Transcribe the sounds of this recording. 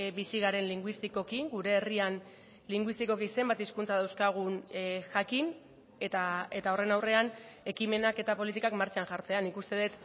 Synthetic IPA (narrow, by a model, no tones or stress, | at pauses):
bisiɣ̞aɾe̞nliŋɡwist̪iko̞kiŋɡuɾe̞ːrian | liŋɡwist̪iko̞kise̞mbat̪iskunt͡saðawskaɣ̞unʝakin | et̪ae̞t̪ao̞re̞nawre̞ane̞kime̞nake̞t̪apo̞lit̪̬ikakmaɾt͡ʃanʝaɾt͡se̞anikust̪e̞ðet̪